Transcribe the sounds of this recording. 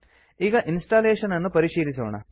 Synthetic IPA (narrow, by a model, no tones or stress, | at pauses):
iɡɐʔinsʈaːleːʂɐnɐnːupɐɾiʂiːɾisuːɳɐ̰